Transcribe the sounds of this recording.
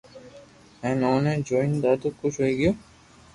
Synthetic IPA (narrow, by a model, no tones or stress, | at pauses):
ɛnɔned͡ʑojnd̪ad̪ukːut͡ɕɦojeɡio